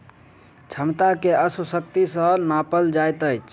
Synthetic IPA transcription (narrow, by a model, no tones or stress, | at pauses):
t͡ʃʰəmt̪akeəsəsək̚t̪isə̃napəld͡ʒajt̪əjt͡ʃʰ